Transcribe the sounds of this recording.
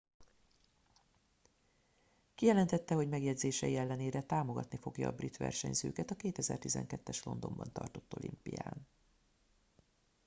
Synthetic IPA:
kijɛlɛnt̪ɛt̪ːɛɦo̞ɟmɛɡjɛdzeːʃɛjiɛlːɛneːɾɛt̪aːmo̞ɡɒt̪nifo̞ɡjɒːbrit̪ʋɛ̰rʃɛ̰ɲzøːkɛt̪ɒkeːt̪ɛzɛ̰rt̪izɛ̰ŋkɛt̪ːɛʃlo̞nd̪o̞mbɒnt̪ɒ̰rt̪o̞t̪ːo̞̰lʔḭmpḭja̰ːn

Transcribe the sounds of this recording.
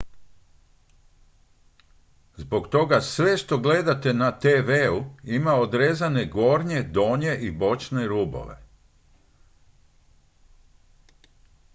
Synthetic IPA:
zbo̞ɡt̪o̞ɡasʋe̞ʃt̪o̞ɡle̞d̪at̪e̞nat̪eʋeuimao̞d̪ɾeːzane̞ɡo̞ːɾɲe̞d̪o̞ːɲe̞ʔibo̞t͡ʃneɾubo̰ʋe̞̰

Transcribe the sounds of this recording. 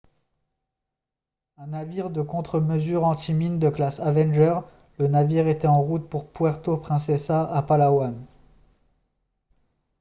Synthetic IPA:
ɛ̃naviʁd̪əkɔ̃t̪χəməzyʁɑ̃t̪imind̪əklasavɛnʒœʁ | lənaviʁet̪ɛɑ̃ʁut̪̚puʁpwɛʁt̪opχɛ̃sɛsaʔapalawan

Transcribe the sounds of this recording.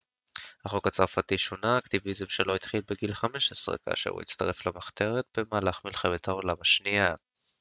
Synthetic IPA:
haχo̞kat͡saʁfat̪iʃonaːkt̪ivizimʃelo̞it̪χilbeɡilχame̞ʃesʁḛka̰ːʃḛṵḭt͡st̪aʁe̞flamaχt̪e̞ʁet̪̚b̥e̞maːlaχmilχemet̪ʰaolamaʃnia

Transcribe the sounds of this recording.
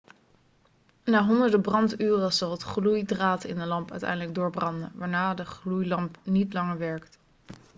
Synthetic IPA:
naːɦɔndəɹdəbrɑntyːrəzɑlˠətχlujdraːtɪ̰ndəlɑmpœ̰ɥtɛ̰jndələɡ̚dʊːɹbrɑndə̰nʋaːɹnaːdəχlujlɑmpnitlɑŋəɹʋɛɹkt

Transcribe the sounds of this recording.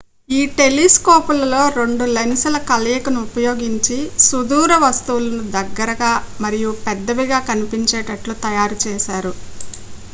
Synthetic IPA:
iːʈe̞liskoːpulɐlo̞ːɾe̞ɳɖulensɐlɐkɐlɐjɐkɐnuupɐjo̞ːɡiɲt͡ʃisud̪uːɾɐʋɐst̪uʋlɐnud̪ɐɡːɐɾɐɡaːmɐɾijupɛd̪ːɐʋiɡaːkɐnipiɲt͡ʃeːʈɐʈlut̪ɐjaːɾut͡ʃɛːʃaːɾu

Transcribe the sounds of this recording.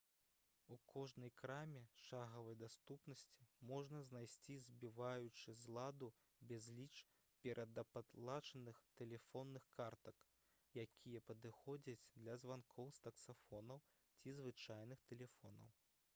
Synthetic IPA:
ukʰɔʐnɐjkɾamʲɛʂaɣɐvɐjd̪ast̪upnɐsʲt͡sʲimɔʐnɐznajsʲt͡sʲizʲbʲivajut͡ʂɨzlˠad̪u | bʲɛzʲlʲit͡ʂ | pʲɛɾʔɐd̪ɐpat̪lˠat͡ʂɐnɨxt̪ɛlʲɛfɔnːɨxkart̪ɐk | jakʲʰijɐpɐd̪ɨxɔd͡zʲɐt͡sʲd̪lʲɐzvankʰɔwst̪ɐksafɔnɐw | t͡sʲizvɨt͡ʂajn̪ɨxt̪ɛlʲɛfɔnɐ̰w

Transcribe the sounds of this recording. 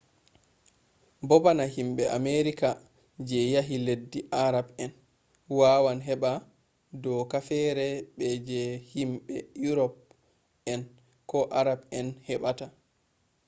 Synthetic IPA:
bɔbanahimɓɛʔameɾika | d͡ʒɛjaɦiledːiʔaɾabɛn | waːwanɦɛɓa | dɔkafɛɾɛɓɛd͡ʒɛhimɓɛjuɾɔp̚ | ɛn | kɔʔaɾabɛnhɛɓata

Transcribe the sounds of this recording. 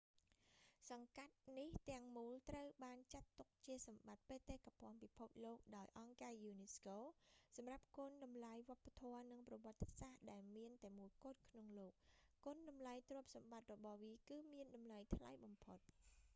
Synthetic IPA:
sɑŋkat̪̚niht̪ɛ̆əŋmuːlt̪rəwɓaːnt͡ɕat̪ːuk̚t͡ɕiəsɑmɓat̪̚peːt̪eːhkːapŏənpipʰup̚loːk̚ɗaɔjʔɑŋkaːjuːneskoːsɑmrap̚koənɗɑmlajʋŏəpːat̪ʰɔənɨŋprɑʋŏət̪ːesaːhɗaɛlmiənt̪aɛəmuəjkŏːət̪̚kʰnoŋloːk̚ːoənɗɑmlajt̪rŭəp̚sɑmɓat̪̚rɔɓɑhʋiːkɨːmiənɗɑmlajt̪ʰla̰jɓɑmpʰot̪̚

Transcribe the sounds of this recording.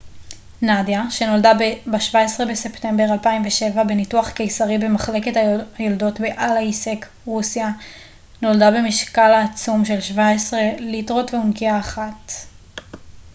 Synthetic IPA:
nadjaʃe̞no̞ldabebaʃvaesʁe̞be̞se̞pte̞mbe̞ʁalpaimveʃe̞vabe̞nituaχke̞jsaʁibe̞maχle̞ketaajoldo̞tbeʔalaisek | ʁusja | no̞ldabe̞miʃkalaːt͡sumʃe̞lʃvaesʁe̞litʁo̞tveunkiaːχat

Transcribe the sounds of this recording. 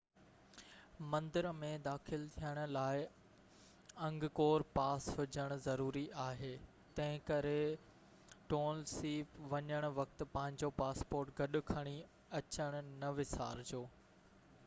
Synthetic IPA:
mɐ̃nd̪ɪɾmẽd̪aːxɪlt̪ʰijəɽ̃ʊ̆laːɪ | ɐ̃ŋɡkoːɾpaːsɦʊd͡ʑəɽ̃ʊzɐɾuːɾiʔaːɦeː | t̪ɐ̃ɦɪ̃kɐɾe | ʈoːnlsiːpʋɐɲəɽ̃ʊ̆ʋɐk̚t̪̆pɐ̃ɦɪ̃ɲ̆d͡ʑopaːspoːɾʈɡʱɐɗʊ̆kʰɐɽ̃i | ɐt͡ɕəɽ̃ʊ̆nɐʋɪsa̰ːɾd͡ʑoː

